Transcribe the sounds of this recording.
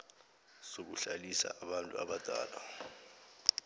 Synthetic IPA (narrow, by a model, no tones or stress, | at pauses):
sok̬uɬalisa̰ʔːɓantʼuaɓad̥ʱa̰ːla